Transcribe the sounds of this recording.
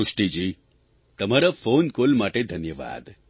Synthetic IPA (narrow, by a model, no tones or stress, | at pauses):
uʂʈid͡ʒiː | t̪əmaɾafonkolmaʈed̪ʱənjəʋa̰ːd̪